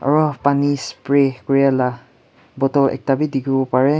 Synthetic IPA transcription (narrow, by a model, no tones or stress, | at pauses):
a̰ɹɔpanispɹɛkɔɹijala | bɔtɔlɛ̰k̚tabidiɡibɔpaɹɛ